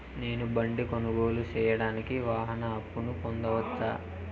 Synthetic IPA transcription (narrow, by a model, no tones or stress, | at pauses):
ne̞ːnubɐɳɖikonuɡo̞ːlut͡ʃɛːjɐɽaːnikiʋaːɦɐnɐːpːunukond̪ɐʋɐt͡ʃːaː